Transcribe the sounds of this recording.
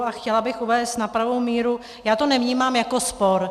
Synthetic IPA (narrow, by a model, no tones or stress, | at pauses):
axcɛlabɪxʔuvɛːst̪napɾavowmiːɾu | jaːt̪onɛvɲiːmaːmjako̞spo̞ɾ